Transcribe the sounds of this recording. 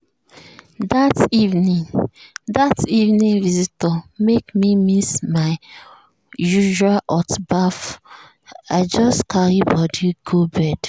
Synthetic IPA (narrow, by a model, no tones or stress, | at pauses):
dativnĩŋdativnĩŋvizitɔmekmimismaɪ | juʒualʔɔtbaf | aɪd͡ʒɔstkʰaɾibɔdiɡ̥obɛd̥